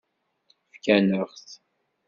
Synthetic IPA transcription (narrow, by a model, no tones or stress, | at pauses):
fkænəʁθ